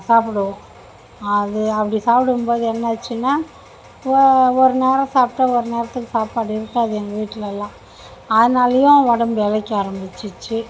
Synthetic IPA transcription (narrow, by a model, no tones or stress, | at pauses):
saːpɽɯʋõ | ɐðɯɐpːɐɽisaːpɪɽɯmboːðɯɛnːɐt͡ʃːɯnːaː | ɔɾɯneːɾɐ̃saːpʈːɐɔɾɯneːɾɐt̪ːɯkːɯsaːpaːɽɯɪɾɯkːaːðɯɛnɡ̪ɐʋiːʈːɪlɛlːãː | ɐðɯnaːlɐjʊ̃ʋɐɽɐmbɛlɐkːaːɾɐmbɪt͡ʃːɯt͡ʃːɯ